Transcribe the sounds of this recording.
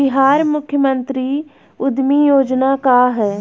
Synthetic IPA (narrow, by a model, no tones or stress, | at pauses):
ɪɦaːɾmʊkʰjəmənt̪ɾiː | ʊd̪mijoːd͡ʒnaːkaːɦɛː